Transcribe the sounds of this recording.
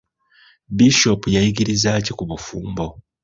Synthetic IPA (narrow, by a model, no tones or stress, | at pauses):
biʃopujajiɡiɾizaːcikuβufuːmbo̞